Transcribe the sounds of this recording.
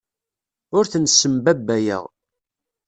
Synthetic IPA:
ʊɾθənsːəmbæbːæjə̰ʁ

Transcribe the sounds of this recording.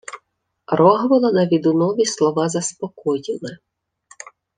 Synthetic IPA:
ɾɔɦʋɔlˠɐnɐʋʲid̪ʊnɔʋʲislˠɔʋɑzɐspɔkɔjɪlˠɪ

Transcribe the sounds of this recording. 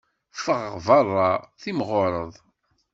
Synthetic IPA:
fəʁvɑrˤːɑθimʁʊɾˤəðˤ

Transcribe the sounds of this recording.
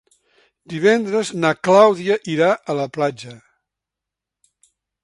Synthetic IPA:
d̪iβ̞ɛnd̪ɾəznaklawðiəʔiɾaʔələplad͡ʒə

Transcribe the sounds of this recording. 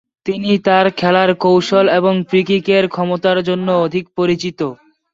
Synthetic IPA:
t̪init̪aɾkʰɛlaɾkowʃoleboŋfɾikikeɾkʰɔmot̪aɾd͡ʑonːood̪ʱik̚poɾit͡ɕit̪o

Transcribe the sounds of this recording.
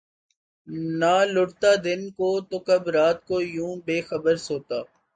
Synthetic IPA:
naːlʊɽt̪aːd̪ɪnkoːt̪okɐbɾaːt̪̚koːjũːbeːxəbəɾsoːt̪aː

